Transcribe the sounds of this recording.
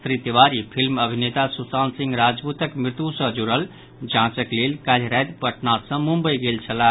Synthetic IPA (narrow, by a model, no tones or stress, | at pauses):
t̪ɾit̪ːeʋaɾipʰilməbʱinet̪asusansĩŋɡɾad͡ʒbut̪əkmɾɪt̪usə̃d͡ʒuɾəl | d͡ʒãt͡ʃəklelkalɾajd̪pəʈnat̪sə̃mumbəjɡelt͡ʃʰəla